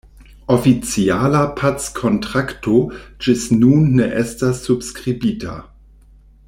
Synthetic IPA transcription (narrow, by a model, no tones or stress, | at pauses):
ofit͡sialapʰat͡skʰontʁaktʰod͡ʒisnunːeʔestasːubskʁibitʰa̰